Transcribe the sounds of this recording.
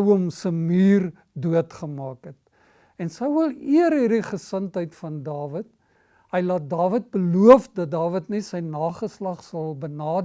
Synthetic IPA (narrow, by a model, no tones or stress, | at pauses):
wɔmsəmiːr | duətχəmɑːkɦət̚ | ɛnsəwəlˠiərɦirdiχəsəntɦəjtfɐndɑːvət̚ | ɦəjlɑːt̚dɑːvət̚bəluəfdɐt̚dɑːvətnɛsəjnɑːχəslɐχsɐlˠbənɑːd